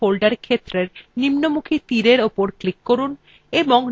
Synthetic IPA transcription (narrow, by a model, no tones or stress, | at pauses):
olɖaɾkʰet̪ːɾeɾnimnomukʰit̪iɾeɾopoɾklikːoɾun | eboŋ